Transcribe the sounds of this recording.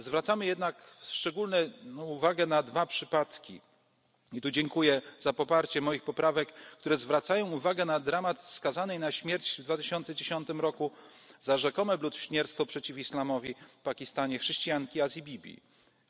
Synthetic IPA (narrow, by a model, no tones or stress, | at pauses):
zvɾat̪samɘjɛd̪nakʂt͡ʂɛɡulnɛuvaɡɛnad̪vapʂɘpat̪kʲḭ | it̪ud͡ʑɛŋkujɛzapɔpaɾt͡ɕɛmɔjixpɔpɾavɛkːt̪uɾɛzvɾat̪sajɔ̃w̃uvaɡɛnad̪ɾamat̪fskazanɛjnaɕmʲjɛɾt͡ɕvd̪vat̪ɘɕɔnt̪sɛd͡ʑeɕɔnt̪ɘmɾɔkuzaʐɛkɔmɛblut̪ɕɲɛɾt̪st̪fɔpʂɛt͡ɕifislamɔvʲifpakʲist̪aɲɛxʂɛɕt͡ɕijaŋkʲiazʲibʲibʲḭ